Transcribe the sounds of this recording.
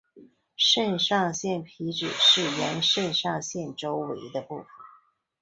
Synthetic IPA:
ʂə˥˧nʂɑ˥˧ŋɕjɛ˥˩npʰi˧˥ʈ͡ʂɻ̩˨˩ʂɻ̩˥˩ɥɛ˧˥nʂə˥˧nʂɑ˥˧ŋɕjɛ˥˩nʈ͡ʂo˥ʊwe˧˥ɪd̪ə˧pu˥˩fə

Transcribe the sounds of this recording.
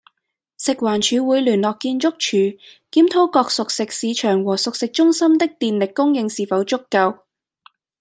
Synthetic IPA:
sɪ˨k̚waː˨˩nt͡ʃʰyː˨˧wuː˨˧jlyː˨˩nlɔː˨kːiː˧nt͡ʃʊ˥k̚t͡ʃʰyː˨˩kiː˨˥mt̪ʰo˥kɔː˧k̚sʊ˨ksɪ˨k̚siː˨˧t͡ʃʰœː˨˩ŋwɔː˨˩sʊ˨k̚sɪ˨k̚t͡ʃʊ˥ŋsɐ˥mt̪ɪ˥k̚t̪iː˨nlɪ˨kːʊ˥ŋjɪ˧ŋsiː˨fɐ˨˧wt͡ʃʊ˥kːɐ˧w

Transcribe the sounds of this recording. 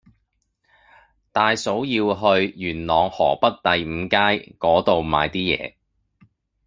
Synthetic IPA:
t̪aː˨jso˨˥wjiː˧wɦɵ˧ɥjyː˨˩nlɔː˨ŋhɔː˨˩pɐ˥t̚t̪ɐ˨jm̩ː˨˧kaː˥jkɔː˨˥t̪o˨wma̰ː˨˧jt̪iː˥jɛ̰ː˨˧

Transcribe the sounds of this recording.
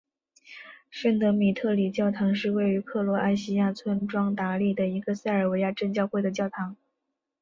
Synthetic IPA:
ʂə˥nŋt̪ɤ˧˥mi˨˩t̪ʰɤ˥˩li˨˩t͡ɕjɑ˥˩ʊt̪ʰɑ˧˥ŋʂɻ̩˥˧we˥˩ɪy˧˥kʰɤ˥˩lwɔ˧˥ʔa˥˧ɪɕi˥ja˥˩t͡sʰwə˥nʈ͡ʂwɑ˥ŋt̪a˧˥li˥˩d̪ə˩i˧˥ɡə˧sa˥˩ɪə˞˨˩we˧˥ɪja˥˧ʈ͡ʂə˥˧ŋt͡ɕjɑ˥˧ʊxwe˥˩ɪd̪ə˩t͡ɕjɑ˥˩ʊt̪ʰɑ˧˥ŋ

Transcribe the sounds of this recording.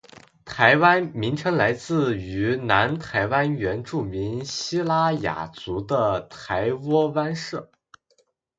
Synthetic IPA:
t̪ʰa˧˥ɪwa˥nmi˧˥ŋʈ͡ʂʰɤ˧˥ŋla˧˥ɪt͡sɹ̩˥˩y˧˥na˧˥nt̪ʰa˧˥ɪwa˥nɥɛ˧˥nʈ͡ʂu˥˩mi˧˥nɕi˥la˥ja̰˨˩t͡su˧˥d̪ə˧t̪ʰa˧˥ɪwɔ˥wa˥nʂɻɤ˥˩

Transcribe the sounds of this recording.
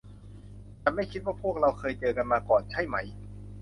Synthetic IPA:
t͡ɕaː˧˩ma˥˩jkʰi˦˥t̪̚waː˥˩pʰu˥˩ək̚ɾa˧wkʰɤː˧jt͡ɕɤː˧ka˧nmaː˧kɔː˨˩nt͡ɕʰa˥˩jma˦˥j

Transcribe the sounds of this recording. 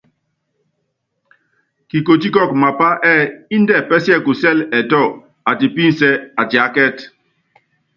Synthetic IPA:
ki˨ko˨t̬i˦kɔ˦˨k̚ma˨pa˦ʔɛ˦˨i˦n˦dɛ˦˨pɛ˦si˦ɛ˦˨ku˨sɛ˦˨lɛ˨tɔ˦˨ | a˨ti˨pi˦n˦sɛ˦a˨ti˨a˨˦kɛ˦t

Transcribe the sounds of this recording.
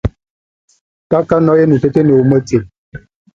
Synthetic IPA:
ta˦ka˦nɔ˦je˦nu˨te˦te˦ne˨o˦mə˦te˨m

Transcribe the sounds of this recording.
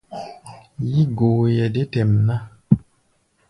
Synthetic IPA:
ji˦ɡoː˨jɛ˨de˦tɛ˨mna˦

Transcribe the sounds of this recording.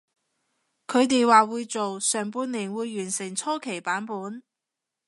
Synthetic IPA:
kʰɵ˨˧ɥt̪̬e˨jwaː˨wuː˨˧jt͡so˨wsœː˨˩ŋpuː˧nliː˨˩nwuː˨˧jːyː˨˩nsɪ˨˩ŋt͡sʰɔː˥kʰe˨˩jpaː˨˥npuː˨˥n

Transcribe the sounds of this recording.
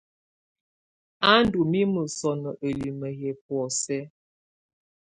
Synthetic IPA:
a˦n˦du˨mi˦mə˨sɔ˨nɔ˨ʔə˨li˨mə˨ɦɛ˨p̚wɔ˨sɛ˦

